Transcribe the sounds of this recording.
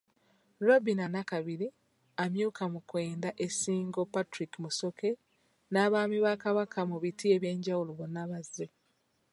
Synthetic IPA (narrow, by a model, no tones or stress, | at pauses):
ɾobinanakaβiɾi | amjuːkamukwe̞ːndaʔesiːŋɡo̞patɾikimuso̞ke̞ | naːβaːmiβakaβakʰamuβitʰie̞βje̞ːɲɟawuloβonːaβaze